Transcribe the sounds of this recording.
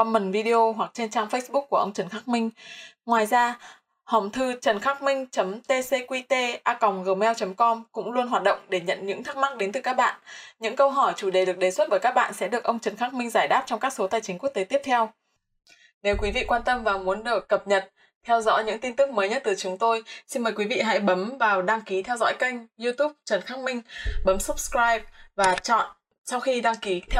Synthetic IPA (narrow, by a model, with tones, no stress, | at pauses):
ɔ˧nmə˨˩nvi˧ɗi˧ʔo˧ɦwa˨˩k̚t͡ɕe˧nt͡ɕaː˧ŋfə˦˥sɓʊ˦˥k̚kːu˧˩əʔə˧wŋ͡mt͡ɕə˨˩nxaː˦˥k̚mï˧ŋ̟ŋwaː˨˩jzaː˧ | hə˨˩ŋ͡mt̪ʰɨ˧t͡ɕə˨˩nxaː˦˥k̚mï˧ŋ̟t͡ɕə˨˦mt̪e˧se˧kwi˧t̪e˧ʔaː˧kɔ˨˩wŋ͡mɣəː˨˩mɛ˧wt͡ɕə˨˦mkɔ˧mkʊ̰˧˥ŋ͡mlu˧ənɦwaː˨˩t̚ɗə̰˧˨wŋ͡mɗe˧˩ɲə̰˧˨nɲɨ̰˧˥ŋt̪ʰa˦˥k̚ma˦˥k̚ɗe˨˦nt̪ɨ˨˩kaː˦˥k̚ɓa̰ː˧˨nʔɲɨ̰˧˥ŋkə˧wɦɔ˧˩jt͡ɕu˧˩ɗe˨˩ɗɨ˨˩ək̚ɗe˨˩swə˦˥t̚ɓəː˧˩jkaː˦˥ɓa̰ː˧˨nsɛ̰˧˥ɗɨ˨˩əkʔə˧wŋ͡mt͡ɕə˨˩nxaː˦˥k̚mï˧ŋ̟zaː˧˩jɗaː˦˥p̚t͡ɕɔ˧wŋ͡mkaː˦˥k̚so˨˦t̪aː˧˨˩jt͡ɕï˨˦ŋ̟ku˦˥kt̪e˨˦t̪i˦˥əp̚t̪ʰɛ˧w | ne˨˦wkwi˨˦vḭ˧˨kwaː˧nt̪ə˧mvaː˨˩mu˨˦ənɗɨ˨˩əkːə˨˩p̚ɲə˨˩t̚ | t̪ʰɛ˧wzɔ̰˧˥jɲɨ̰˧˥ŋt̪i˧nt̪ɨ˦˥k̚məː˨˦jɲə˦˥t̚t̪ɨ˨˩t͡ɕʊ˨˦ŋ͡mt̪o˧jsi˧nməː˨˩kwi˨˦vḭ˧˨ɦa̰˧˥jɓə˨˦mvaː˨˩wɗaː˧ŋki˨˦t̪ʰɛ˧wzɔ̰˧˥jka˧jŋ̟zu˧t̪u˦˥p̚t͡ɕə˨˩nxaː˦˥k̚mï˧ŋ̟ɓə˨˦msə˦˥p̚skɹaː˧jp̚vaː˨˩t͡ɕɔ̰˧˨n | sa˧wxi˧ɗaː˧ŋki˨˦t̪ʰ